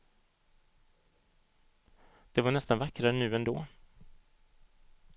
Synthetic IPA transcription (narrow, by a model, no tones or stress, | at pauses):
d̪̥ɛvaɳɛst̪anvakːɾaɾənʉ̟ːɛnd̪oː